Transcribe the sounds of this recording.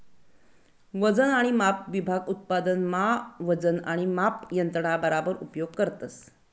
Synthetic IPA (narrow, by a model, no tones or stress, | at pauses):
ʋəd͡zənaɽ̃imapʋibʱaɡut̪̚pad̪ənmaʋəd͡zənaɽ̃imapjənt̪ɾəɳ̃abəɾabəɾupjoɡkəɾt̪əs